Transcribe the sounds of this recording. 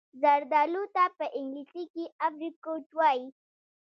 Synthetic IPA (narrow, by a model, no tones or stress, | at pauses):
zaɾd̪ɑlut̪apəʔɪŋɡlisikiafɾikoʈwɑji